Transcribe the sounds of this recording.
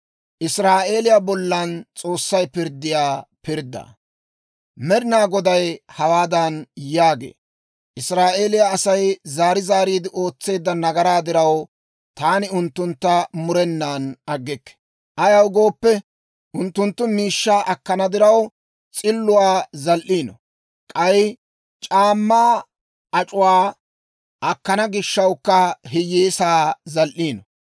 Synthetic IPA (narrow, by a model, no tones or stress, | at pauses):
ʔɪsɾaːʔe̞ːlɪjabɔlːɐnt͡sʼo̞ːsːɐjpɪɾd̪ːɪjaːpɪɾd̪ːɐ̰ | mɛɾɪnaːɡɔd̪ɐjhɐwaːd̪ɐnjaːɡḛː | ʔɪsɾaːʔe̞ːlɪjaːsɐjzaːɾɪzaːɾiːd̪ɪʔo̞ːt͡sːe̞ːd̪ːɐnɐɡɐɾaːd̪ɪɾɐw | t̪aːnɪʊnt̪ːʊnt̪ːɐmʊɾɛnːaːnɐɡːɛkːɛ̥ | ʔɐjɐwɡo̞ːpːɛ | ʔʊnt̪ːʊnt̪ːʊmiːʃːaːʔɐkːɐnɐd̪ɪɾɐw | t͡sʼɪlːʊwaːzɐlʔiːnɔ̰ | kʼɐj | t͡ʃʼaːmːaː | ɐt͡ʃʼʊwaː | ʔɐkːɐnɐɡɪʃːɐwkːɐɦɪjːeːsaːzɐlʔiːnɔ